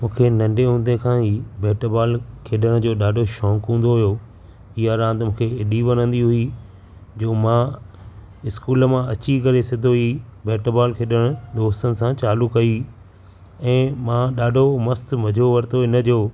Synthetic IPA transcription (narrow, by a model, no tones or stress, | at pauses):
mũːkʰenɐ̃ɳɖeɦũːnd̪ekʰãɦiːbeːʈəbaːlkʰeːɗəɽ̃d͡ʑoːɗaːɖʱoʃɔ̃ːkɦũːn̆d̪oɦʊjoː | iɦaɾãːnt̪mũːkʰeɪɗiʋɐnə̃nd̪iɦʊi | d͡ʑoːmã | ɪskuːləmãɐt͡ɕikɐɾesɪd̪ʱoibeːʈəbaːlkʰeːɗəɽ̃ʊd̪oːst̪ənɪ̆sãt͡ɕaːlʊkːɐi | ɛ̃ːmãːɗaːɖʱomɐst̪mɐd͡ʑʱoʋɐɾt̪oɪnə̆d͡ʑoː